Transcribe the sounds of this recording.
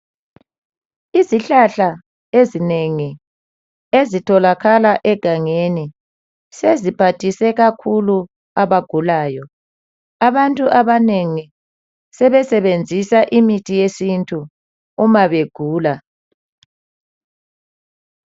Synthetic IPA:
iziɬaɬa | ezineŋi | ezitʰɔlaɣalaʔɛɡ̥ʱaŋeni | sezipʰatʰisɛɣakʰulu | aβaɡ̥ʱulaːjɔ | aβantʼuʔaβaneŋi | sɛβɛsɛβend͡zʱisaʔimitʰʼijesintʼuː | maβeɡ̥ʱuːla

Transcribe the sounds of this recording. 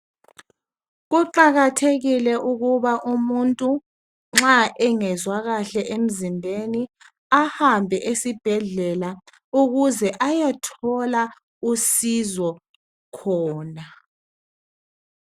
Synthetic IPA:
ɣuǃaɣatʰeɣilɛʔuɣuβaʔumuntʼu | ŋ͡ǁaʔɛŋɛzwaɣaɬɛʔem̩zimbʱeni | ahambʱɛʔesib̥ʱɛɮɛla | uɣuzɛʔajɛtʰɔla | usizɔ | kʰɔːna

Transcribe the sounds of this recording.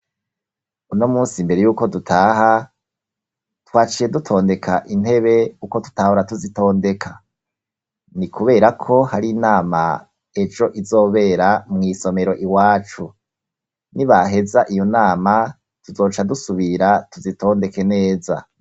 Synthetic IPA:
uno̞muːnsimbe̞ɾe̞juːko̞dutʰaːɦa | twaːt͡ʃije̞dutʰo̞ːnde̞kʰaʔin̥he̞βe̞kuko̞tu̥tahuɾatuzito̞ːnde̞kʰa | nikʰuβe̞ːɾakʰo̞haɾinaːma̰ | e̞d͡ʒo̞ʔizo̞ːβe̞ɾamŋiːso̞me̞ɾo̞ʔiwaːt͡ʃu | niβaɦe̞zaʔijo̞naːma | tuzo̞ːt͡ʃadusuβiɾatuzitʰo̞ːnde̞ke̞ne̞ːza̰

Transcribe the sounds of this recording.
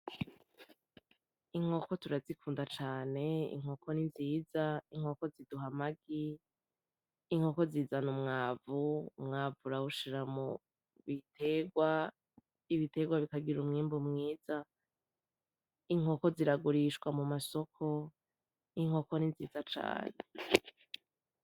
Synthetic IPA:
iŋ̥ho̞ko̞tuɾazikʰuːndat͡ʃaːne̞ḭŋ̥o̞ːkʰo̞ninziːzaiŋ̥o̞ːko̞ziduɦamaɡi | ŋ̥o̞ko̞ziːzanumŋaːvumŋaːvuɾawuʃiɾamu | βitʰe̞ɡwa | iβitʰe̞ɡwaβikaɡiɾumŋiːmbumŋiːz̥a | iŋ̥o̞ko̞ziɾaɡuɾiʃɡwamumaso̞kʰo̞ | iŋ̥ho̞koninziːzat͡ʃa̰ːne

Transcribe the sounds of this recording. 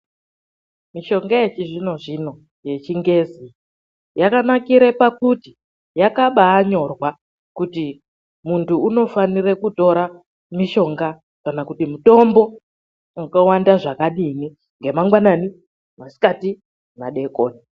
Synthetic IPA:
miʃo̞ŋɡajet͡ʃiʐino̞ʐino̞ | je̞t͡ʃiŋɡe̞zi | jakanakiɾepakuti | jakaɓaːɲo̞rwa | kuti | muntʰuːno̞fanirekuto̞ɾa | miʃo̞ŋɡa | kanakutimuto̞mbo̞ | ukawandaʐakaɗini | ŋɡe̞maŋɡwanani | masi̥kati | maɗe̞koːni

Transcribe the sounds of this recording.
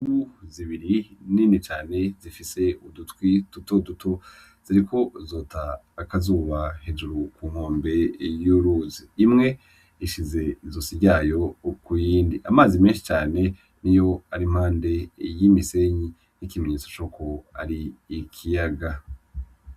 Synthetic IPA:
uziβiɾiniːnit͡ʃaːne̞zifise̞udutkwitutodutʰo̞ | z̥iɾiko̞zo̞ːtaː | kazuːβahe̞d͡ʒuɾukum̥hoːmbe̞juɾuziːmŋe̞ | iʃize̞zosiɟajo̞kujiːndiʔa̰maːzimenʃi̥t͡ʃaːne̞ | nijo̞aɾim̥haːnde̞jimise̞ɲi | nikimeɲeːt͡sot͡ʃoko̞a̰ɾiːkʰijaɡa

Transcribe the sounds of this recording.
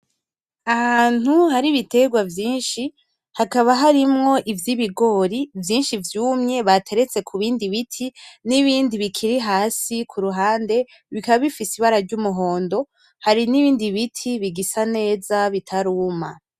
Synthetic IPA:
ahaːn̥uhaɾiβite̞ɡwavjiːnʃi | hakaβaɦaɾimŋo̞ʔivjiβiɡo̞ɾivjiːnʃivjuːmɲe̞βatʰe̞ɾe̞t͡se̞kʰuβiːndiβitʰiniβiːndiβikʰiɾiɦaːsikʰuɾuɦaːnde̞ | βikaβaβifisiβaɾaɾɟumuɦo̞ːndo̞ | haɾiniβiːndiβitʰiβiɡisane̞ːzaβitʰaɾuːma

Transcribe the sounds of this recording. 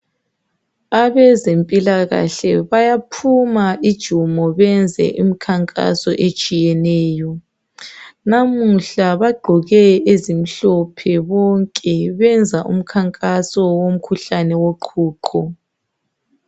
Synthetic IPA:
aβɛzempʼilaɣa̰ɬɛβajapʰumaʔid̥ʒ̥ʱumɔβɛnd͡zʱɛ̰ʔimikʰaŋkʼa̰sɔ̰ʔet͡ʃʼijɛnɛːjɔ | namuɬaβaɡ͡ǃʱɔɣɛezim̩ɬɔpʰɛβɔŋkʼɛβɛnd͡zʱaʔṵm̩kʰaŋkʼasɔwom̩kʰuɬanɛwoǃʰuːǃʰɔ

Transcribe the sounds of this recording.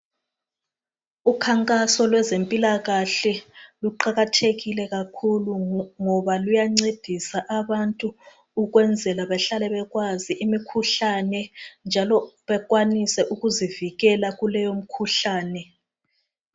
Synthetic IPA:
ukʰaŋkʼasɔlwɛzempʼilaɣaɬɛluǃaɣatʰeɣilɛɣakʰuluŋɔβalujaŋ͡ǀed̥ʱisaʔaβantʼu | uɣwɛnd͡zʱɛlaβɛɬalɛβɛɣwaziʔimikʰuɬanɛnd͡ʒʱalɔβɛɣwanisɛʔuɣuziviɣɛlaɣulɛjom̩kʰuɬaːnɛ

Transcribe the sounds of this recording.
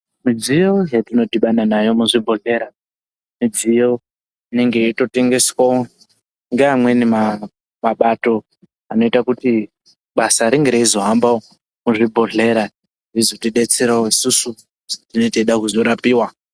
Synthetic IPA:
mid͡zijo̞jatino̞dʱiɓananajo̞muʐibʱoɮe̞ɾa | mid͡zijo | ine̞ŋɡeito̞te̞ŋɡe̞swao | ŋɡeamwe̞nima | maɓato̞ | ano̞itakuti | ɓasaɾiŋɡeɾeizo̞ɦambao | muʐibʱo̞ɮe̞ɾa | ʐizotiɗet͡seɾaoisusu | tino̞iteɗakuzoɾapiːwa

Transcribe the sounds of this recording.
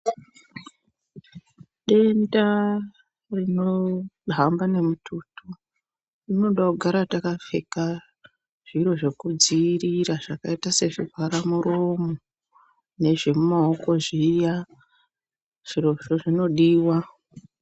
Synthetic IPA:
ɗe̞nda | rino̞ɦambane̞mutʰutʰu | rino̞ɗakuɡʱaɾatakafe̞̰ka | ʐ̥iro̞ʐe̞kud͡ziːriɾaʐakaitase̞ʐivʱaɾamuɾomo | ne̞ʐe̞mumao̞ko̞ʐija | ʐ̥iroʐoʐino̞ɗiːwa

